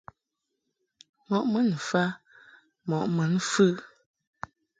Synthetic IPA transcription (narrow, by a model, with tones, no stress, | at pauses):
mɔ˨ʔmə˦n˨fa˦ | mɔ˨ʔmə˨˦n̩˦fɨ˦